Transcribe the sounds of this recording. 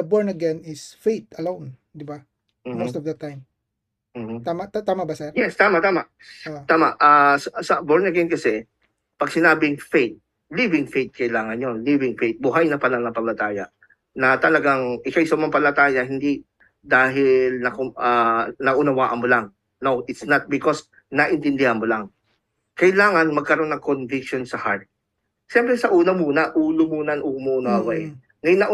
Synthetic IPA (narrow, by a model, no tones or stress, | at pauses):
ɐbɔɹnɐɡɛnɪsfejt̪̚ɐlown | d̪ɪba | m̩ːmot̪ɔfd̪ɐt̪ːajm | m̩ht̪amɐt̪t̪aːmɐbɐsɛɾjɛst̪aːmɐʔt̪aːmaʔ | t̪aːmaʔʔaːssɐboɹnɐɡɛnkɐsɛ | pɐɡ̚sɪnaːbɪŋfejt̪̚ | livɪŋfejt̪̚kɐʔɪlaːŋɐnɲonlivɪŋfejt̪̚bʊɦajnɐpɐlɐŋnɐpɐlɐt̪aːjɐʔ | nɐt̪ɐlɐɡaŋʔɪkajsɐmɐmpɐlɐt̪aːjɐhɪnd̪i | d̪aːɦɪlnɐkʊʔɐnɐʔʊnɐwaːʔɐnmolaŋ | nowʔɪt̪snɐt̪̚bɪkos | nɐʔɪnt̪ɪnd̪ɪhanmolaŋ | kɐʔɪlaːŋɐnmɐɡ̚kɐɾo̞nːɐŋkonvɪk̚ʃo̞nsɐhaɹt̪̚ | ʃɛmpɾɛsɐʔuːnɐmuːnɐʔuːlomuːnɐnʔʊmuʔʊnawaʔɛ | nojnɐʔ